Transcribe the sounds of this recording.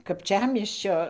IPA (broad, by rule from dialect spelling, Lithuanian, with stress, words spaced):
kɐpʲˈt͡ʃʲæːmʲiɛsʲt͡ʃʲoː